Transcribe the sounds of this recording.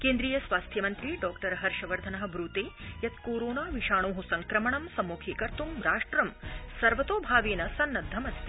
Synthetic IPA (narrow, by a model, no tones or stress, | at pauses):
keːnd̪ɾiːjɐsʋaːst̪ʰjɐmɐnt̪ɾiɖɔːkʈɐɾɦɐɾʂɐʋɐɾd̪ʱɐnɐɦɐ̆bɾuːt̪eːjɐt̪̚koːɾoːnaːʋiʃaːɳoːɦusɐŋkɾɐmɐɳɐmsɐmːuːkʰiːkɐɾt̪umɾaːʂʈɾɐmsɐɾʋɐt̪oːbʱaːʋeːnɐsɐnːɐd̪ʱːɐmɐst̪i